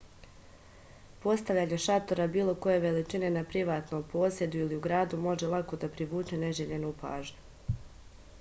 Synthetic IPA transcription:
po̞st̪aʋʎaːɲeʃat̪o̞ɾabiːlˠo̞ko̞je̞ʋe̞lit͡ʃine̞napɾiʋaːt̪nompo̞ːsje̞d̪uiliuɡɾaːd̪umo̞ʒelˠako̞d̪apɾiʋuːt͡ʃe̞ne̞ʒeʎe̞nupa̰ːʒɲu

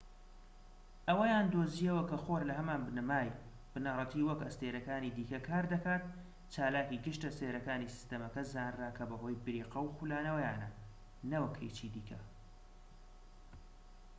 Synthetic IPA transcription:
ʔɐwɐjaːnd̪oːzijɐwɐkɐxoːɾlɐɦɐmaːnbɨnɨmaːj | b̥ɨnɐrˤɐt̪ʰiːwɐkɐst̪eːɾɐkaːniːd̪iːkɐkʰaːɾd̪ɐkaːt̪̚ | t͡ʃaːlaːkiɡɨʃt̪ɐst̪eːɾɐkaːnisi̥st̪ɐmɐkɐzaːnraːkʰɐbɐɦo̞ːjbɨɾiːqɐwxulaːnɐwɐjaːnɐ | nɐwɐkʰḛjt͡ʃiːd̪iːkʰɐ

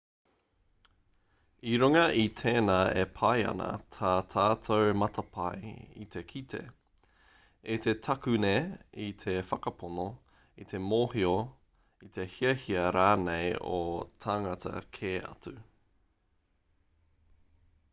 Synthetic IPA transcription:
iɾuŋɐʔit̪ʰeːnaːepʰɐjɐ̰nɐ̰tʰaːtʰaːtʰowmɐtʰɐpʰajḭt̪ʰe̞kʰitʰe̞̰ | et̪ʰe̞tʰɐkʉneit̪ʰefɐkɐpʰono | it̪ʰe̞moːhio | it̪ʰe̞hiɐhiɐɾaːnejotʰaŋɐtɐ̰kʰeːɐ̰t͡sʉ

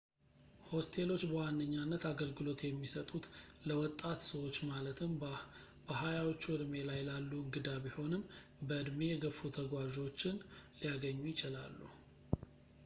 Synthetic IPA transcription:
ho̞st̪ʰe̞lo̞t͡ʃːbəwanːəɲːanːət̪aɡəlɡɨlo̞t̪jɛmːisət̪ʼut̪ləwɔt̪ʼːat̪səwo̞t͡ʃːmalət̪ʰɨm | bəɦajawot͡ʃːuɨɾme̞lajlalːuɨŋɡɨd̪aβiho̞nɨm | bəɨd̪mejɛɡəfut̪ʰəɡwaʒo̞t͡ʃːɪnlijaɡəɲːujɪt͡ʃɪlalːṵ

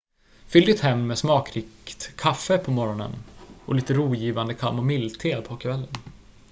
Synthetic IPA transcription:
fʏld̪ɪt̪hɛmnmɛːsmɑːkɾɪkt̪kʰːafːəpʰɔmɔɾɔnə̰nɔ̰liːt̪əɾuːjiːvand̪əkʰa̰lmɔmɪlt̪ʰeːlpʰɔkːavɛlːən

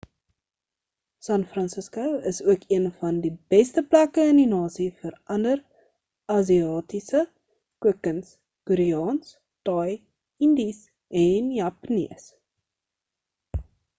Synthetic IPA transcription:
sɐnfrɐnsəskoəsuəkiənfɐndibɛstəplækəəndinɑːsifəɾʔɐndər | ʔɐziɑːtisə | kuəkəns | kuɾiɑːns | tɑj | indis | ʔɛnjɐpnḭəs

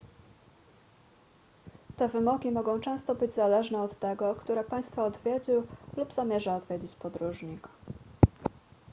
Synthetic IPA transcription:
t̪ɛvɘmɔɡʲimɔɡɔ̃w̃t͡ʂɛ̃st̪ɔbɘd͡ʑzalɛʐnɛɔt̪ːɛɡɔkt̪uɾɛpaj̃st̪fɔːd̪vʲjed͡ʑɘlubz̥amʲjɛʐaɔd̪vʲjed͡ʑit͡ɕpɔd̪ɾuʐɲik

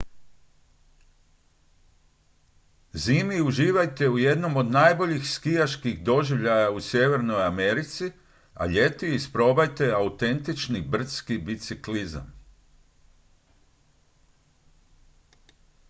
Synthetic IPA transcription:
ziːmiuʒiːʋajt̪e̞uje̞d̪no̞mo̞d̪naːjbo̞ʎixskijaʃkiɣd̪o̞ʒiʋʎajausje̞ʋe̞ɾno̞jame̞ɾit̪si | a̰ʎe̞t̪iispɾo̞bajt̪e̞aut̪e̞nt̪it͡ʃnibr̩t̪skibit̪sikliza̰m

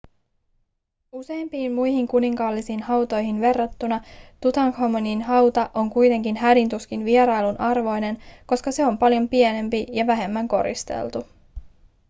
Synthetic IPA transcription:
use̞jmpiːmmujhiŋkuniŋkɑlːisiːnhɑwt̪o̞jɦinʋe̞rːɑt̪ːunɑt̪ut̪ɑŋkhomoninɦɑwt̪ɑʔo̞ŋkujt̪e̞ŋkinɦædint̪uskinʋieɾɑjlunʔɑrʋo̞jne̞nko̞skɑse̞o̞mpɑljo̞mpie̞ne̞mpijɑʋæɦe̞mːæŋko̞̰ɾḭst̪e̞̰lt̪u

